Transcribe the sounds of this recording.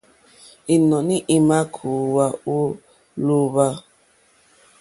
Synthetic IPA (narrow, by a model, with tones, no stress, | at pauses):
i˨nɔ˨ni˦ʔi˦ma˦kʰu˨wa˦u˦ | lu˦βa˦